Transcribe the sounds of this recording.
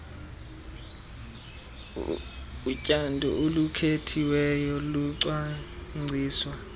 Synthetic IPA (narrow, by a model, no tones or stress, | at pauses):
ucʼandʱɔ̰ʔolukʰetʰiwɛjɔluǀwaŋ͡ǀʱiːswa